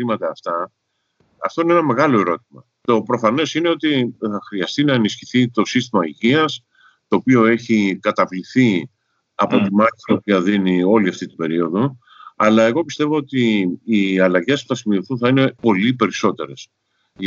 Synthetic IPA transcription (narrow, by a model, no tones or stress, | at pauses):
imɐt̪ɐːft̪ɐ | ɐ̰ft̪o̞inenɐme̞ɣɐlo̞e̞ɾo̞t̪imɐ | t̪o̞pɾo̞fɐne̞sine̞o̞t̪iθɐxɾiɐst̪inɐenisçiθit̪o̞sist̪imɐiʝiɐs | t̪o̞ːpio̞e̞çikɐt̪ɐvliθi | ɐ̰po̞t̪imɐçit̪opiɐðinio̞liɐft̪it̪ibe̞ɾio̞ðo̞ | ɐ̰lɐe̞ɣo̞pist̪e̞vo̞ot̪iː | ɐlɐʝe̞spuθɐsimioθunθɐine̞po̞lipe̞ɾiso̞t̪e̞̰ɾe̞s | ʝ